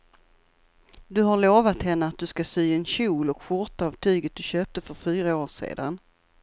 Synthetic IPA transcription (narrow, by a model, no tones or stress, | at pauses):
d̪ɵɦaɾɭoːvat̪hɛnːəat̪̚d̪ɵskasyːɛnɕuːlɔkɧʊɾt̪aɑːvt̪ʰyːɡət̪̚d̪̥ɵɕøːp̚t̪əfœɾfyːɾaoːʂḛːd̪a̰n